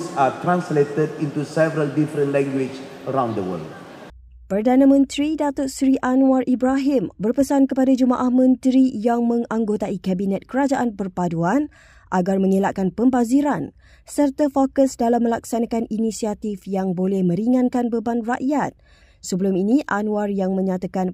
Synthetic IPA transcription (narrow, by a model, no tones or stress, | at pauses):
satɾãnsletədĩntusɛvəɾəldifɾə̃nlɛ̃ŋɡwid͡ʒəɾãw̃ndəwə̰ld | pərdanãmə̃nt̪ɾidat̪ot̪̚sɾiʔanuarʔibɾaɦɪmbərpəsankəpadad͡ʒumaʔahmə̃nt̪ɾijaŋmə̃ŋãŋɡot̪aikɛbinɛt̪̚kəɾad͡ʒaʔanpərpaduan | ʔaɡarmə̃ŋilaʔkanpəmbaziɾan | sərt̪afokəsdalamːə̃laksanãkaninisiat̪ifjaŋbolɛhmə̃ɾiŋãnkanbəbanraʔjat̪̚ | səbəlʊminĩʔanũarjaŋmə̃ɲat̪akan